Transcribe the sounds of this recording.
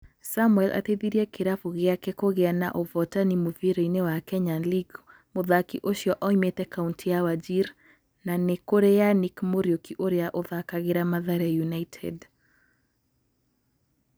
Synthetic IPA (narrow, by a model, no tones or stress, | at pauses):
samwɛlʔa̰teðiɾiɛkeɾafuɣeakɛkoɣeana̰ʔovɔtanimoviɾoinewakɛɲaliɡ | moðakḭʔoʃjɔʔɔimetɛkauntʰijawad͡ʒiɾ | nanekoɾejanikmoɾjokiʔoɾeaʔoðakaɣeɾamaðaɾɛjunaitʰɛ̰d